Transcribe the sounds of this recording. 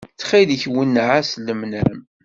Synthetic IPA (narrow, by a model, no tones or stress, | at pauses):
t͡sːχiliçwənːʕasləmnæm